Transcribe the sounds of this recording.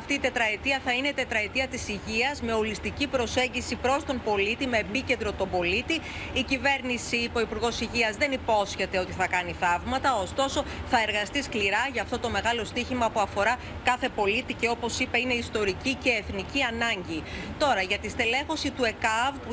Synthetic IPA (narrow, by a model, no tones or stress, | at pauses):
ɐft̪iːt̪e̞t̪ɾɐet̪iɐθɐineit̪e̞t̪ɾɐet̪iɐt̪isiʝiɐzme̞olist̪icipɾo̞se̞ɲɟisipɾo̞st̪o̞mbo̞lit̪ime̞ːpice̞nd̪ɾo̞t̪o̞bo̞lit̪iːcive̞ɾnisiːpo̞ipuɾɣo̞siʝiɐzðe̞nipo̞sçe̞t̪e̞o̞t̪iθɐkɐniθɐvmɐt̪ɐo̞st̪o̞so̞θɐeɾɣɐst̪iskliɾɐʝɐːft̪o̞t̪o̞me̞ɣɐlo̞st̪içimɐpuɐfo̞ɾɐ | kɐθe̞po̞lit̪ice̞o̞po̞sipɐine̞ist̪o̞ɾicice̞ːθniciɐnɐɲɟit̪o̞ɾɐʝɐt̪ist̪ele̞xo̞sit̪ue̞kɐvpu